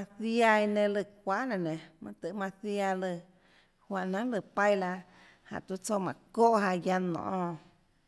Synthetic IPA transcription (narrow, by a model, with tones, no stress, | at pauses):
ã˧θja˧i˧nẽ˧lɨ˧k̚ʷa˦ʔnã˧˨nẽ˨mã̰˧t̪ɨ˧ʔmã˧θja˧lɨ˧˨ | hwa˧˨ʔnã˦lɨ˧˨pa˦˧jla˧ | ha̰˨ʔt̪u˧t͡so˧mã˨ko˦ʔɦa˧ja˧nɔ̰̃˨ʔɔ̃˧